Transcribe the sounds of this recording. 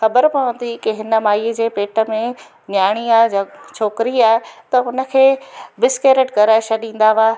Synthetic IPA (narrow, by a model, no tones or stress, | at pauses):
xɐbəɾpɐʋə̃nd̪ikɪɦɪnə̆maːiəd͡ʑeːpeːʈə̆mẽ | njaːɽ̃iaːɪd͡ʑɐt͡ɕʰoːkɪɾiaːɦɪt̪ɐɦʊnə̆kʰeːbɪskeːɾeʈɡɐɾaːɪʃaɗĩːn̆d̪aʋaː